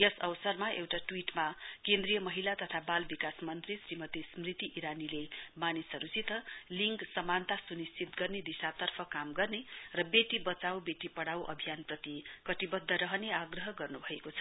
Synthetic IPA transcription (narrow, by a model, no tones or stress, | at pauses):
jʌsʌwsʌrmaʔewʈaʈwiʈmakend̪rijʌmʌɦilat̪ʌt̪ʰabalbikasmʌnt̪risrimʌt̪ismrit̪iʔiɾanilemanisʌɾut͡sit̪ʌliŋksʌmant̪asunist͡sit̪ɡʌrned̪isat̪ʌrpʰʌkamɡʌrnerʌbeʈibʌt͡sawbeʈipʌɽawʔʌ̰bʱijanprʌt̪ikʌt̪ibʌd̪ʱːʌɾʌɦʌneaɡrʌɦʌɡʌrnubʱʌekot͡sʰʌ̥